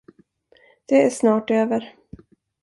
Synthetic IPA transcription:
d̪̥ɛæʂnɑːʈøːvəɾ

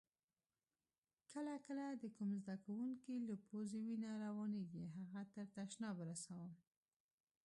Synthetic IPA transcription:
kəlakəlad̪əkumzd̪akawuŋkilapozewinaɾawɑneɡiɦaɣat̪əɾt̪aʃnɑbəɾasawəm

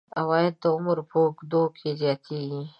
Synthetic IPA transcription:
ɐwaːɪd̪̚d̪aʊməɾpʰoːkd̪oːkʰːizjaːt̪iɡi

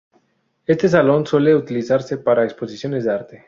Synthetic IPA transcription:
est̪es̬alo̞nsweleut̪iliθaɾsepaɾaeksposisjonezd̪aɾt̪e

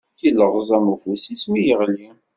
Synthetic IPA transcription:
jilːəʁzˤɑmufusiswijəʁli

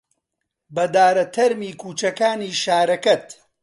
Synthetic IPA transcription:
bɐd̪aːɾɐt̪ʰɐɾmiːkʰuːt͡ʃɐkaːniːʃaːɾɐkɐt̪

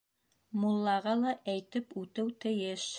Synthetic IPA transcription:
mulˠːɑʁɑlˠɑʔæjt̪ɘpʉt̪ɘwt̪ɘ̆jɘʃ

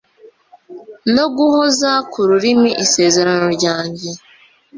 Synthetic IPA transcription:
no̞ɡuho̞zakuɾuɾimiʔise̞ːze̞ɾano̞ɾɟaːɲɟe̞

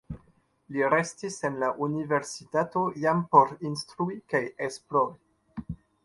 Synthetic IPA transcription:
liɾe̞stise̞nlaʔunive̞ɾsitatojampo̞ɾinstɾuikajesploɾi

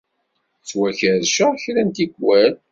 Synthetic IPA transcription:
t͡sːwæçəɾʃəçɾænt̪iɡwæl

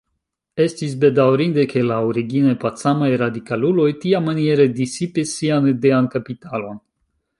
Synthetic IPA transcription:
e̞stis̬be̞dawɾind̪eke̞laoɾiɡinepatsamajɾadikalulo̞jtiamanijeɾedisipisːianedeankapitalo̞n

